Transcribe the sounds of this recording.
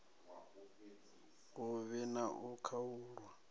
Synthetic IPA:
uβɛnaʔukʰauːɺwa

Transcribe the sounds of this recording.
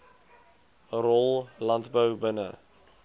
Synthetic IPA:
rɔlˠlɐntbəwbənə̰

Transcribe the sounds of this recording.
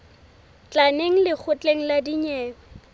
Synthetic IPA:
t͡ɬʼaneŋ̩lɪk͡xʰʊt͡ɬʼeŋ̩ladiɲɛːɔ

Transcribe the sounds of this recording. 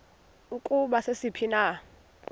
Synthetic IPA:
ukʼuɓasesipʰina

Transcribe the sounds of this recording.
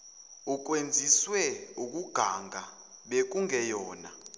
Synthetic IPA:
uk̬ʼwend͡zʱiswɛuk̬ʼuɡ̥ʱaŋʱa | ɓek̬ʼuŋʱɛjɔːna

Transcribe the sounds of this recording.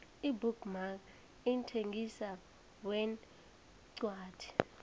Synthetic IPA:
ibuɡmak | intʰeŋɡisa | wɛn | ǀwaːtʰi̥

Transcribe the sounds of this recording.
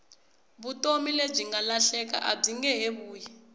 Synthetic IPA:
βutomileb͡ʐiŋɡalaɬɛka̰ʔab͡ʐiŋɡɛɦeβuːjɛ

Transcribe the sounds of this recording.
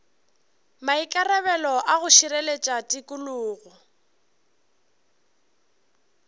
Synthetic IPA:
maikʼarɛβɛlɔʔaɣʊʃiɾɛlet͡ʃʼatʼikʼʊlʊːɣɔ

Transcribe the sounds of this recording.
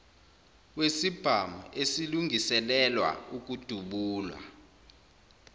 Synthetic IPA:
wesib̥ʱamuesiluŋisɛlɛlwa̰uk̬ʼud̥ʱuɓuːlwa̰

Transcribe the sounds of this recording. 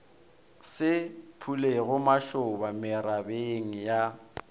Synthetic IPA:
sɪpʰuleɣʊmaʃʊbamɪɾabeŋ̩ja

